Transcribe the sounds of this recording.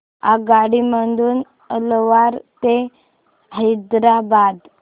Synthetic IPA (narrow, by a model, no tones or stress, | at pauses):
a̰ɡaɽiməɳd̪uːn | əlʋaɾt̪e | ɦəjd̪ɾabad̪